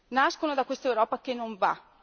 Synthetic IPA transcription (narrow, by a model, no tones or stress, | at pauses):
naskonod̪akːwest̪aewɾɔːpakenːoɱva̰